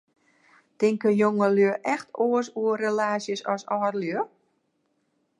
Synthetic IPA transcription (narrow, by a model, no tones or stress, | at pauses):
tɪŋkəjoŋəløəʔɛxtoəsuərelaːsjəsɔsɔːrljøə